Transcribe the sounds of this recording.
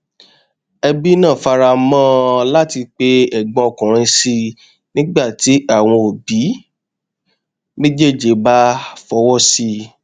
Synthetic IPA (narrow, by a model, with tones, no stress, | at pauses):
ɛ˧bi˦nã˦˨fa˧ɾa˧mãː˦la˦ti˧k͡pe˧˦ɛ˦˨ɡ͡bɔ̃˧ɔ˨kã˨ɾ̃ĩ˧si˧ | nĩ˦ɡ͡ba˦˨ti˨˦a˦˨w̃ɔ̃˧o˨bi˨˦ | nĩ˦d͡ʒe˦˨d͡ʒe˨˦ba˦fɔ˧wɔ˦si˧